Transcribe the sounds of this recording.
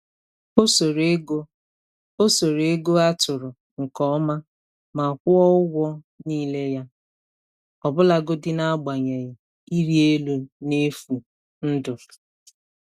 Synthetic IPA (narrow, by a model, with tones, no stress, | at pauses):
o˦so˨ɾe˦ɡo˦ | o˦so˨ɾe˦ɡo˦a˦tʊ˨ɾʊ˨ | ŋ̩˨kɔ˦ma˦ | ma˨kʷʊ˦ɔ˦ʊ˦wʷɔ˦ | niː˦le˦ja˦ | ɔ˨bʊ˦la˦ɡʊ˦dɪ˦na˦ɡ͡ba˨ɲe˨ɣɪ˨ | i˦ɾi˦e˦lu˦ne˦fu˨ | n̩˦dʊ˨